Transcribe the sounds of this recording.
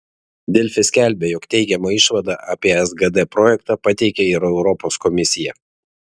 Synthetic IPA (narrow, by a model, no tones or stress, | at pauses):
d̪ʲɪlʲfʲɪsʲkʲælʲbʲeːjɔkt̪ʲɛɪɡʲɛmɐɪʃʋɐd̪ɑːʔaːpʲiɛɛzɡɐd̪ɛpɾɔjɛkt̪ɑpɐt̪ʲɛɪkʲɛɪɾɛʊɾɔposkɔmʲɪsʲɪjɛ